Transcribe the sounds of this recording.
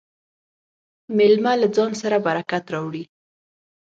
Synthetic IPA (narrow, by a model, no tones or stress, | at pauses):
mɪlmalad͡zɑnsaɾabaɾakat̪ɾɑwɽi